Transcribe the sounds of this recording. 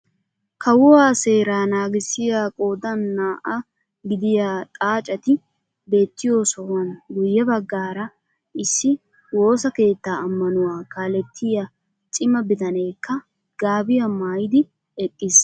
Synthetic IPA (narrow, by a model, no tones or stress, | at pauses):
kɐwʊwaːse̞ːɾaːnaːɡɪsːɪjaːkʼo̞ːd̪ɐnːaːʔɐ | ɡɪd̪ɪjaːt̪ʼaːt͡ʃʼɐt̪ɪ | be̞ːt̪ːɪjo̞ːsɔwɐnɡʊjːɐbɐɡːaːɾɐ | ɪsːɪ | wo̞ːsɐke̞ːt̪ːaːɐmːɐnʊwaːkaːlɛt̪ʰːɪjɐ | t͡ʃʼɪmɐbɪt̪ɐne̞ːkːɐ | ɡ̥aːbɪjɐmaːjɪd̪ɪ | ɛkʼːɪs